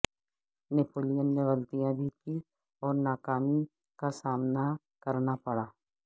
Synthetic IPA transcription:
nepoːlijənːeɣɐlt̪ijãbʱiki | ɔːɾnaːkaːmi | kasaːmna | kɐɾnapɐɽaː

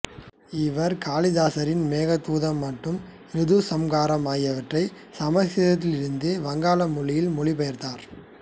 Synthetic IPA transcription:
ɪʋɐɾkaːlɪðaːsɐɾɪnmeːɣɐt̪ːuːðɐmːɐʈːɯm | ɾɪðusɐmɡaːɾɐmaːjɐʋɐʈrɐɪ | sɐmɐsɪðɐt̪̬ːɪlɪɾɯnd̪ɯʋɐŋɡaːlɐmʊɭɪjɪlmʊɭipɐjɐɾt̪aːɾ

